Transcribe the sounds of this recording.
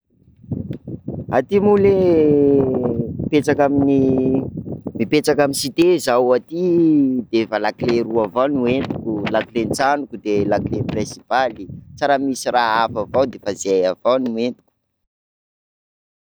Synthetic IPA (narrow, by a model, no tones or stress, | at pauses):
at̪imule | pet͡sakamini | mipet͡sakaminsit̪ezawat̪id̪efalakleruavawnuent̪ukulakilent͡sanukud̪elakleprẽsipalit͡saɾamisiraɦafavawd̪efazejavawnuent̪u̥kʲu̥